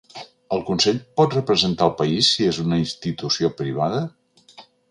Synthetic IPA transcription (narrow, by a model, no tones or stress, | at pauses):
əlˠkunsɛʎʲpɔt̪rəpɾəzənt̪aəlˠpəisːiezunəinst̪it̪usiopɾiβ̞aðə